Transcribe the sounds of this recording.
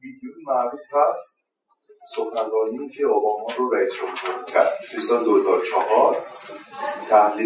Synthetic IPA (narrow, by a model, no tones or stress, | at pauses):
biːd̪unimæʔɾuːfæst̪̚ | soxænɾɒːniiːcʰeobɒːmɒːɾoɾæiːsd͡ʒomhuɾicʰæ̰ɾd̪disɒd̪ohezɒːɾot͡ʃʰɒhɒɾ | t̪ʰæmli